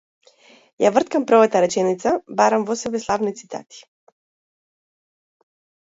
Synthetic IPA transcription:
javr̩t̪̚kampɾɔvat̪aɾɛt͡ʃɛnit̪sabaɾamvɔsɛbɛslˠavnit̪sit̪a̰t̪i̥

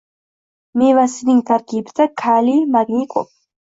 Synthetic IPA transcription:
mivasiniŋt̪ʰaɾɡibt̪akʰalimaɡnikʼɔ̰p̚ʰ

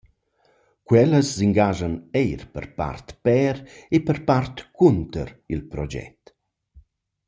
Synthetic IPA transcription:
kwɛləsːiŋɡaʒənɛjɾpə̰rpa̰rt̪pɛɾepəɾpart̪kʰunt̪ə̰ɾilpɾɔd͡ʒɛ̰t̪

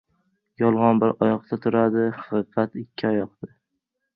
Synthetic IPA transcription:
jɒlˠʁɒnbɪɾɒjɒq̚t̪ʰat̪ʰʊɾad̪ɪhɑ̥qɨqʰɑt̪ɪkʲʰːɪɒjɒq̚d̪ɪ

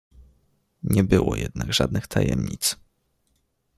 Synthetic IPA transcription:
ɲɛbɘwɔjɛd̪naɡʐad̪̚nɘxt̪ʰajɛmɲit̪s

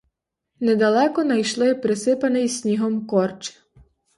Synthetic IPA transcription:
nɛd̪ɐlˠɛkɔnɐjʃlˠɪpɾɪsɪpɐnɪjsʲnʲiɦɔmkɔrt͡ʃɪ̥

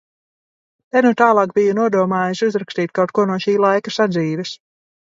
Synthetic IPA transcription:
t̪ɛnut̪aːlˠɑːkbijunuɔd̪uɔmaːjuʃuzɾakst̪iːt̪̚ʲkawt̪̚kuɔnuɔʃiːlˠajkasad̪ziːvɛs

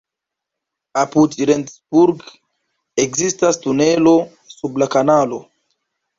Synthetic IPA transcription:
apudɾendsbuɾɡ | ekzistastunelo̞ | sublakanalo

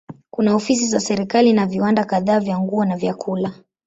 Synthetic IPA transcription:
kunaɔfis̬izasɛɾikalinaviwandakaðaːvjaŋɡuɔnavjakʰula

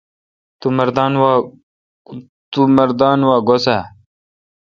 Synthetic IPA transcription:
t̪umɐɾd̪ɑːnw | t̪uməɾd̪aːnwaːɡosa

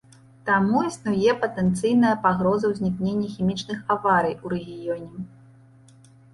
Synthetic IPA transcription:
t̪amuisnujɛpɐt̪ɛnt̪sɨjnɐjɐpaɣɾɔzɐwzʲnʲiknʲenʲːɐxʲimʲit͡ʂnɨxavaɾɨjuɾɛɣʲijɔnʲɛ

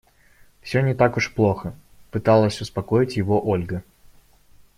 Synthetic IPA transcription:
fsʲɵnʲɪt̪akʊʂplˠo̞xə | pɨt̪alˠəsʲʊspɐkojɪtʲjɪvoʔolʲɡə

